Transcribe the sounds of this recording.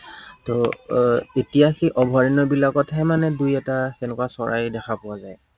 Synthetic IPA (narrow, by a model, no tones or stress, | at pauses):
tɔ | etijakiʔɔbʱɔɹinɔbilakɔtɦɛmanɛdujɛtatɛnɛkasɔɹʔajdɛkʰapʊwazaj